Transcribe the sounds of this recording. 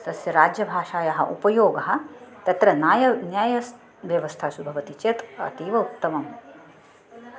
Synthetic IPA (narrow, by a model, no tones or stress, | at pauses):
t̪ɐsjɐɾaːd͡ʒjɐbʱaːʃaːjɐɦɐ̰ʔṵpɐjoːɡɐɦɐ̆t̪ɐt̪ɾɐnaːjɐnjaːjɐs | ʋjɐʋɐst̪ʰasubʱɐʋɐt̪it͡ʃet̪ɐ̰t̪iːʋɐutt̪ːɐmɐm